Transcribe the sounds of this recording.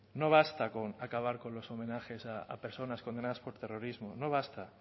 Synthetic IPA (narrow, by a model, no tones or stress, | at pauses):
no̞β̞ast̪akonakaβ̞aɾkonlo̞somẽ̞naxe̞saːpe̞ɾso̞naskond̪e̞naðaspo̞ɾt̪ero̞ɾizmonoβ̞ast̪a